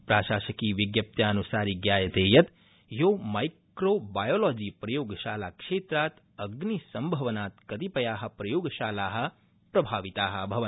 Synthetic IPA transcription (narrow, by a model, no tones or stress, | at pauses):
pɾaːʃaːʃɐkiːʋjiɡjɐp̚t̪jaːɐnusaːɾiɡjaːjɐt̪eːjɐt̪ | joːmajkkɾoːbaːjoːlɔːd͡ʒiːpɾɐjoːɡʃaːlaːkʂeːt̪ɾaːt̪ | ɐɡnisɐmbʱɐʋɐnaːt̪kɐt̪ipɐjaːɦɐ̆pɾɐjoːɡʃaːlaːɦɐ̆ | pɾɐbʱaːʋit̪aːɦɐbʱɐʋɐ